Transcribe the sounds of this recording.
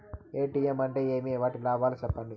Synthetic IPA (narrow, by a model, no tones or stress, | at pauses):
eːʈiemɐɳʈeːeːmiʋaːʈilaːʋaːlit͡ʃɛpːɐɳɖi